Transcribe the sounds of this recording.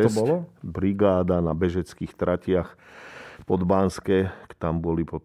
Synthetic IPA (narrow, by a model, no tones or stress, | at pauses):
ɛbɔlɔbɾiɡaːd̪anabɛʒɛt͡skixt̪ɾʔacɪax | pɔd̪banskɛkt̪ambɔlipɔ